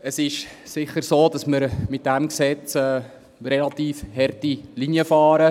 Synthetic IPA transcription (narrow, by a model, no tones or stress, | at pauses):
əsɪʃ | sɪχəɾsoːd̥ɑsməɾmɪt̚d̥æmksɛt͡sɛː | rɛlɑt̪iːfhɛrtiliniəfɑːɾə